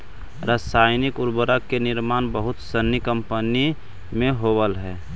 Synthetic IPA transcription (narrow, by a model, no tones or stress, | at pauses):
ɾasaːjnɪkʊɾbəɾəkːenɪɾmaːnbəɦʊt̪sənːikəmpəni | mẽɦobəlɦɛː